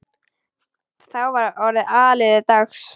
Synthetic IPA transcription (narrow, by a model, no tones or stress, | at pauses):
θawvaɾɔɾɪʔaːlɪðɪt̪axs